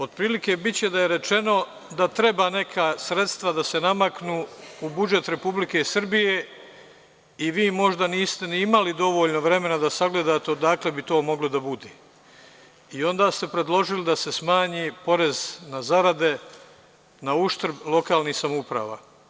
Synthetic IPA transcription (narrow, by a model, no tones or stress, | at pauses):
o̞d̪̥̚pɾiːlikebit͡ɕe̞d̪ajeɾe̞t͡ʃe̞no̞ | d̪at̪ɾe̞baːne̞kʰasɾe̞t̪st̪ʋad̪ase̞namaknuːubud͡ʒe̞t̪ɾe̞publike̞sr̩bije̞ | iʋiːmo̞ʒd̪aniːst̪eniimalid̪o̞ʋo̞ːʎnoʋɾe̞me̞nad̪asaɡle̞d̪aːt̪ed̪akle̞bit̪o̞ːmo̞ɡlod̪abud̪eː | io̞nd̪aːst̪e̞pɾe̞d̪lˠo̞ʒilid̪ase̞smaːɲipo̞ɾe̞znazaɾad̪e̞ | nauʃt̪rɾblˠo̞kaːlnihsamupɾa̰ːʋa̰ː